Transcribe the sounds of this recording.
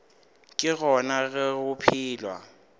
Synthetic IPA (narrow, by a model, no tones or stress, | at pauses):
kʼɪɣɔnaɣɛɣʊpʰiːlwa̰